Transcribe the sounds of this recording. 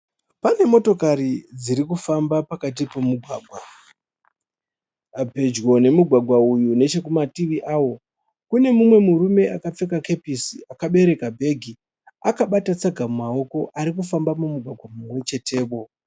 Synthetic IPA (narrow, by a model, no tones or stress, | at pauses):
pane̞mo̞to̞karid͡ziɾikufambapakat̬ipomuɡʱwaːɡʱwa | abʱe̞d͡ʒwo̞ne̞muɡʱwaɡʱwaujune̞t͡ʃe̞kumatiʋiʔaːwo̞ | kune̞mumwe̞muɾume̞ʔakap͡fe̞kake̞pisiakaɓe̞ɾe̞kabʱe̞ːɡʱi | akaɓatat͡saɡʱamumao̞ko̞ʔaɾik̬ufambamumuɡʱwaɡʱwamumwe̞t͡ʃe̞te̞ːpo̞